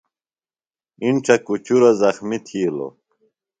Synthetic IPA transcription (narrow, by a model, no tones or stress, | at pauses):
inʈ͡ʂʰɐkut͡ɕuɾazɐxmit̪ʰiːlo̰